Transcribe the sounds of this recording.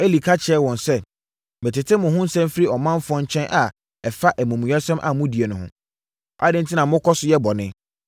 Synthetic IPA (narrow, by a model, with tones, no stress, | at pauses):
e˦li˨kʰa˦t͡ɕʰɛ˦wɔ̃˨nsɛ˦ | mɪ̃˨tɪ˨tʰɪ˦mʊ̃˨ɦʊ̃˦n̩˦sɛ̃˦m˦fɾi˦ɔ˨mã˦n˦fʊ˨˦ɔ̃˦ɲ˦t͡ɕʰɛ̃˦nʔa˨ | ɛ˨fa˦ʔɛ˨mũ˨mũ˨ɲɛ˦sɔ̃˦mʔa̰˨mʊ̃˦di˨e˨nʊ̃˨hʊ̰̃˨ | a̰˦dɪ̃˦n̩˦tʰi˦nã˨mʊ̃˦kʰɔ˦sʊ˨˦jɛ˦bɔ˨nɪ̃˦